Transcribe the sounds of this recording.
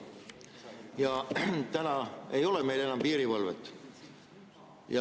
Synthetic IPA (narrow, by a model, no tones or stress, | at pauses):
jɑt̪ænɑe̞jo̞leme̞jle̞nːɑmpiːɾivɤlvḛt̪ːˑ | jɑ